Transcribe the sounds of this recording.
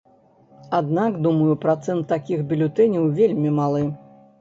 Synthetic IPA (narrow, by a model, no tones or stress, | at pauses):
ad̪nakd̪umɐjupɾat̪sɛnt̪ːakʲixbʲilʲut̪ɛnʲiwvʲelʲmʲimalˠɨ